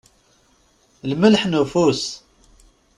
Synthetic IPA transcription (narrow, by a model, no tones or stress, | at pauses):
lməlħnufus